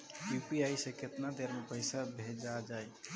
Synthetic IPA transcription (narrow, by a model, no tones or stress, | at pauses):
jupiajseket̪nad̪eɾmepəɪsabʱed͡ʒad͡ʒaj